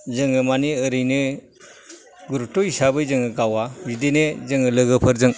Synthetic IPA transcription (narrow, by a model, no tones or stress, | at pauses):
zɯŋɯmaniɯɾɯjnɯ | ɡuɾup̚tɔisabɯjzɯŋɯɡawabidenezɯŋɯlɯɡɯpʰɯɾzɯŋ